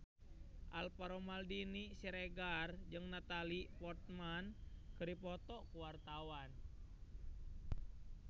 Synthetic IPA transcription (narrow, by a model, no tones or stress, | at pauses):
ʔalpaɾɔmaldinisiɾɛɡard͡ʒɨŋnat̪alipɔt̪̚mankɨɾipɔt̪ɔkuwart̪awan